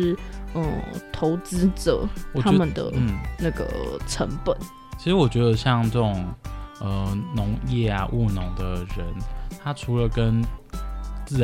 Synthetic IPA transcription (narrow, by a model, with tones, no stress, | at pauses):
ɻ̩˥˩ə̰˥˩t̪ʰo˧˥ʊt͡sɹ̩˥ʈ͡ʂə̰˨˩˦wɔ˨˩tʰa˥˧mə˨nd̪ə̰˩˥˩na˥˩ɡə̰˩ʈ͡ʂʰə̰˧˥ŋpə˨˩˦n | t͡ɕʰi˧˥ʂɻ̩˧˥wɔ˨˩t͡ɕɥɛ˧˥d̪ə˧ɕjɑ˥˧ŋʈ͡ʂə˥˩ʈ͡ʂʊ˨˩ŋə˩nʊ˧˥ŋjɛ˥˩a˨˩ʔu˥˩nʊ˧˥ŋd̪ə˨ɻə˧˦nt̪ʰa˥ʈ͡ʂʰu˧˥lə˨kə˦n | t͡sɹ̩˥˩